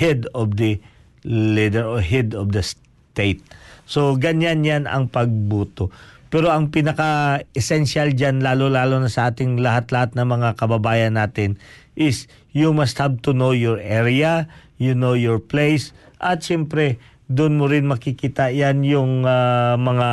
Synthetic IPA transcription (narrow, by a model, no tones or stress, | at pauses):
hɛd̪ɔvd̪ɐ | lid̪ɛɹoɹɦɛd̪ɔvd̪ɐs | t̪ejt̪̚so̞ɡɐɲanjanɐ̰ŋpɐɡ̚buːt̪o̞pɛɾo̞ʔɐŋpinɐkaɛsɛnʃald͡ʒanlaːlolaːlonɐsɐʔaːt̪ɪŋlɐhat̪lɐhat̪̚nɐŋmɐŋakɐbɐbaːjɐnːaːt̪ɪn | ʔɪs | jumɐst̪hab̚t̪ʊnowjɔɹʔɛɹa | junowjɔɹplejsʔɐt̪ʃɛmpɾɛ | d̪ʊnmoɾɪnmɐkɪkiːt̪ɐjanjʊŋamɐŋa